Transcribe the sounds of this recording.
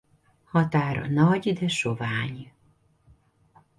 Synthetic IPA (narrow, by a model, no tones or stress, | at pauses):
hɒt̪aːɾɒ̰nɒɟd̪ɛʃovaːɲ